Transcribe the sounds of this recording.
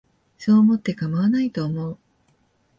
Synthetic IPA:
so̞ːmo̞t̪ːe̞kamaβanait̪o̞ːmo̞ɯ

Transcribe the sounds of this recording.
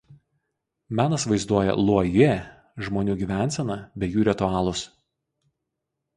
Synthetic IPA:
mʲæːnɐsʋɐɪzd̪uɔjɛ̰lˠuɔje | ʒmoːnʲuːɡʲiːʋʲæˑnʲˑsʲɛnɐbʲɛjuːɾʲɪt̪ʊɑːlˠʊs

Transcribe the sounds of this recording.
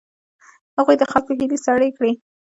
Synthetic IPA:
haɣujd̪əxɑkoɦilisaɽekɽi

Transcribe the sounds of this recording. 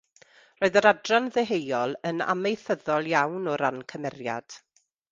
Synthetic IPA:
roːɨðəɾadranðɛɦejɔlˠəna̰mejθəðɔlˠjawnɔɾankʰəmɛrja̰d̥

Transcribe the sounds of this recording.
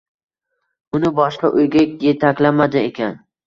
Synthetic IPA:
ʊnɪbɒʃqɑʔojɡʲakʲjet̪ʰakʲlamad̪ɪekʲan

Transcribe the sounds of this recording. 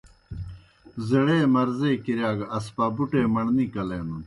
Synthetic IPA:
zɐɽeːmɐɾzeːkiɾjaːɡɐspaːbuʈeːmɐɳnikɐleːnun

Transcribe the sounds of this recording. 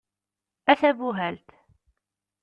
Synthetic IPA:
æθæbuɦælt̪

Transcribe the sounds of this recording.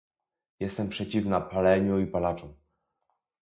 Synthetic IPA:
jɛst̪ɛmpʂɛt͡ɕivnapalɛɲuipalat͡ʂɔ̃w̃

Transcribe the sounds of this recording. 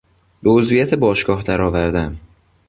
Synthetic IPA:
b̥eozvijæt̪ʰebɒːʃɡɒːhd̪æɾɒːvæɾd̪æm

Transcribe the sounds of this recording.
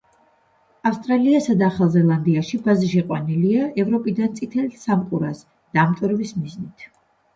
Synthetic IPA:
afst̪ʼɾaliasad̪aːχalˠzɛlˠand̪iaʃibaziʃ̬ɛqʼwa̰niliaɛvɾɔpʼid̪ant̪sʼit̪ʰɛlsamqʼuɾas | d̪̥aːmt̪ʼɔɾɛbismiznit̪ʰ

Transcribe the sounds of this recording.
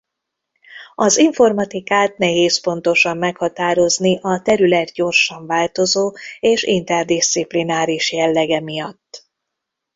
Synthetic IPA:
ɒziɱfo̞rmɒt̪ikaːt̪nɛɦeːspo̞nt̪o̞ʃɒmːɛkhɒt̪aːɾo̞zniʔɒt̪ɛɾylɛt̪ɟo̞rʃɒɱvaːlt̪o̞zoːeːʃḭnt̪ɛrd̪ist̪siplinaːɾiʃjɛlːɛɡɛmijɒt̪ː

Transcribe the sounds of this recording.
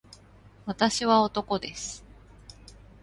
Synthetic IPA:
βat̪aɕiβao̞t̪o̞ko̞d̪e̞sɨ̥

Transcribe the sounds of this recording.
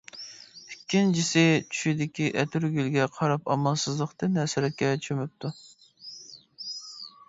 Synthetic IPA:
ykʲʰːint͡ʃʰisɪt͡ʃʰy̥ʃid̪ɪkʲiʔɛt̪ʰyɾɡʲylɡʲɛqʰɑɾɑpɑmɑlˠsɨzlˠəqt̪ɨnɛsɪɾɛt̪̚kʲɛt͡ʃʰømyp̚t̪ʰu

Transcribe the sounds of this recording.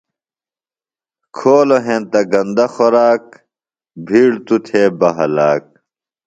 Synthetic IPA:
kʰoːloɦẽnt̪ɐɡɐ̃nd̪ɐxoɾaːk̚ | bʱiːɽt̪ut̪ʰeːbɐɦɐlaːk̚

